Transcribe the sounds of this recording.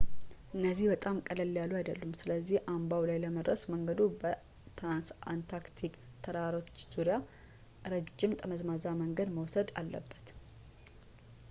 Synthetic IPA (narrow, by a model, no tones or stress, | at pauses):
ʔɨnːəzːihbət̪ʼamkʼələlːjaluajd̪əlːumsɨləzːihʔambawlajləməd̪ɾəsməŋɡəd̪ubə | t̪ɾansant̪ʰakt̪ʰik | t̪ʰəɾaɾot͡ʃːz̥uɾja | ɾəd͡ʒːɪmt̪ʼəməzmazaməŋɡəd̪məwsəd̪a̰lːə̰bːət̪